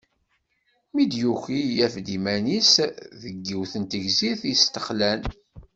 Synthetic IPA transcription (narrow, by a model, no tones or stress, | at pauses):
mid̪juçijæfd̪imænisðəɡːiwθənt̪əʝziθjəst̪ə̥χlæn